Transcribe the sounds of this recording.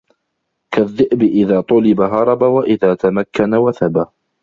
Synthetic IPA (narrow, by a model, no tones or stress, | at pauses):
kʰaðːɪʔbɪʔɪðaːt̪ˤʊlɪbaɦɑɾˤɑbawaʔɪðaːt̪amakːanawaθaba